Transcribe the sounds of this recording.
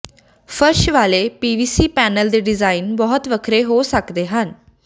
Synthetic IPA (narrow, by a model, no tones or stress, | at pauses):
fʰəɾʃʋaːleːpiːʋiːsiːpɛːnəld̪eːɖɪzaːinbɔːʊt̪ʋəkʰɾeːɦoːsəkd̪eːɦən